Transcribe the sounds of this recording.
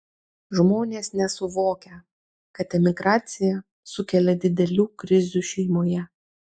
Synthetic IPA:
ʒmoːnʲeːsnʲɛsʊʋoːkʲɛ | kɐt̪ɛmʲɪɡɾɑːt̪sʲɪjɛ | sʊkʲɛlʲɛd̪ʲɪd̪ʲɛlʲuːkɾʲɪzʲuːʃʲɛɪmoːjɛ

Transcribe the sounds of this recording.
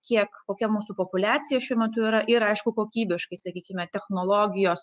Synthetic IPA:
kʲiɛkkoːkʲɛmuːsʊpopʊlʲæːsʲɪjɛʃʲuɔmʲɛt̪ʊiːɾɐʔɪɾɐɪʃkʊkoːkʲiːbʲɪʃkɐɪsɐkʲiːkʲɪmʲɛt̪ʲɛxnoːlˠoːɡʲɪjoːs

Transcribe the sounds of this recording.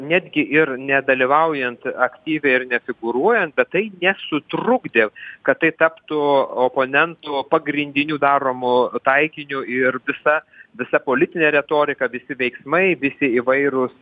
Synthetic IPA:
nʲæːd̪ʲɡʲɪʔɪrnʲɛd̪ɐlʲiʋɐʊjɛnt̪ɐkt̪ʲiːʋʲɛɪɪrnʲɛfʲɪɡʊɾuɔjɛnt̪̚bʲɛt̪tːɐɪnʲɛsʊt̪rʊɡd̪ʲeːkɐt̪tːɐɪt̪ɐpt̪ʊoːpoːnʲɛnt̪ʊpɐɡɾʲɪnʲd̪ʲɪnʲuːd̪ɑːɾoːmʊt̪ɐɪkʲɪnʲʊɪrʋʲɪsɐʋʲɪsɐpoːlʲɪt̪ʲɪnʲeːɾʲɛt̪oːɾʲɪkɐʋʲɪsʲɪʋʲɛɪksmɐɪʋʲɪsʲɪiːʋɐɪɾʊs

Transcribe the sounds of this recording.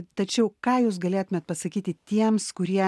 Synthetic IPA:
t̪ɐt͡ʃʲɛʊkɑːjuːs̬ɡɐlʲeɛt̪ʊmʲeːt̪pɐsɐkʲiːt̪ʲɪt̪ʲiɛmskʊɾʲiɛ

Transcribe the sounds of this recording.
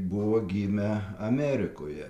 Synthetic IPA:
bʊʋoːɡʲiːmʲɛɐmʲæːɾʲɪko̰ːjɛ̰

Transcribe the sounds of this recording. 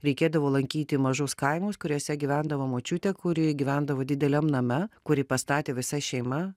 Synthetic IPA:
ɾʲɛɪkʲeːd̪ɐʋoːlˠɐŋʲkʲiːt̪ʲɪmɐʒoskɐɪmuːskʊɾʲoːsʲɛɡʲiʋʲænd̪ɐʋoːmoːt͡ʃʲut̪ʲɛkʊɾʲɪɡʲiʋʲænd̪ɐʋoːd̪ʲɪd̪ʲɛlʲɛmnɐmʲɛkʊɾʲɪpɐst̪ɑːt̪ʲeːʋʲɪsɐʃʲɛɪmɐ

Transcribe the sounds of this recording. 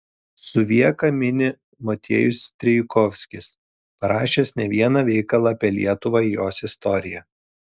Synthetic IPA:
sʊʋʲiɛkɐmʲɪnʲɪ | mɔt̪ʲḛːjʊsʲt̪ʲɾʲɛɪkɔfʲsʲkʲɪs | pɐɾɑːʃʲeːsnʲɛʋʲiɛnɑʋʲɛɪkɐlˠɑːpʲiɛlʲḭɛt̪ʊʋɑɪjoːsɪst̪ɔɾʲɪjɛ

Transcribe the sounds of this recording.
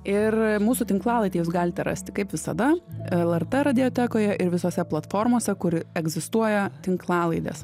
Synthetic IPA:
ɪrmuːsʊt̪ʲɪŋklˠɑːlˠɐɪt̪ʲeːjuːsɡɑːlʲɪt̪ʲɛɾɑ̰sʲt̪ʲɪkɐɪpʋʲɪsɐ̰d̪ɐɛlˠɛrt̪ɛɾɐd̪ʲɪot̪ʲɛkoːjɛʔɪɾʋʲɪsoːsʲɛplˠɐt̪foːrmoːsʲɛkʊɾɛɡzʲɪst̪uɔjɛt̪ʲɪŋklˠɑːlˠɐɪd̪ʲɛ̰s

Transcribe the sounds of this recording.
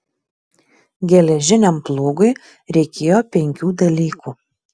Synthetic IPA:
ɡʲɛlʲɛʒʲɪnʲɛmplˠoːɡʊɪ | ɾʲɛɪkʲeːjoːpʲɛŋʲkʲuːd̪ɐlʲiːkuː

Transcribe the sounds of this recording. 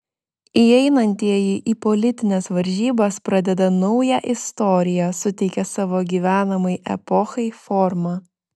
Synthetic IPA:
iɛɪnɐnʲt̪ʲiɛjɪʔiːpɔlʲɪt̪ʲɪnʲɛsʋɐɾʲʒʲiːbɐspɾɐd̪ʲɛd̪ɐnɒʊjæʔɪst̪ɔɾʲɪjɛsʊt̪ʲɛɪkʲɛsɑːʋoːɡʲiːʋʲæːnɐmɐɪʔɛ̰pɔxɐɪfɔɾmɑː

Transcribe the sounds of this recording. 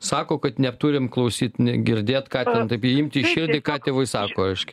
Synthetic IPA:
sɑːkoːkɐt̪nʲɛpt̪uɾʲɪmklˠɐʊsʲiːt̪nʲɛɡʲɪɾʲd̪ʲeːt̪kɑːt̪ʲɛnt̪ɐɪpiɪmʲt̪ʲɪʃʲɪrʲd̪ʲɪkɑːt̪ʲeːʋɐɪsɑːkoːɐɪʃʲkʲɪ̥

